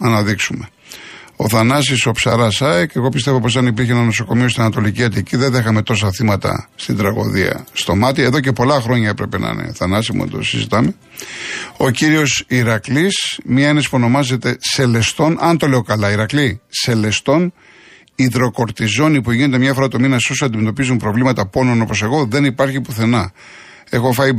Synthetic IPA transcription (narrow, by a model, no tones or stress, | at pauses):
ɐnɐðiksume̞ | o̞θɐnɐs̬iso̞psɐɾɐsɐeke̞ɣo̞pist̪e̞vo̞po̞s̬ɐnipiɾçeenɐno̞so̞ko̞miost̪inɐnɐt̪o̞liciɐt̪iciðeðexɐme̞t̪o̞s̬ɐθimɐt̪ɐ̰st̪ind̪ɾɐɣo̞̰ðiɐ̰st̪o̞mɐt̪ieðo̞ce̞po̞lɐxɾo̞ɲɐepɾepe̞nɐ̰nḛθɐnɐsimṵd̪o̞̰sḭzḭt̪ɐme̞ | o̞ciɾio̞siɾɐklismiɐenesi̥puono̞mɐze̞t̪e̞se̞le̞st̪o̞nɐnt̪o̞le̞o̞kɐlɐiɾɐklise̞le̞st̪o̞n | iðɾo̞ko̞ɾt̪izo̞nipuʝinet̪emɲɐfo̞ɾɐt̪ominɐsosɐnd̪imet̪o̞pizunpɾo̞vlimɐt̪ɐpo̞nono̞po̞se̞ɣo̞ðe̞nipɐɾçipuθe̞nɐ | e̞xo̞fɐi